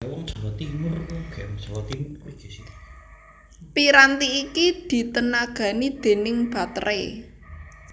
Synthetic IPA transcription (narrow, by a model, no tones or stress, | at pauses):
wɔŋsɔwɔt̪imʊrŋɡ̥ɛmt͡ʃɔwɔt̪imʊrɡ̥esi | piɾant̪iːkid̪̥i̤t̪ənaɡ̥ä̤nid̪̥e̤nɪŋb̥ä̤t̪ɾḛ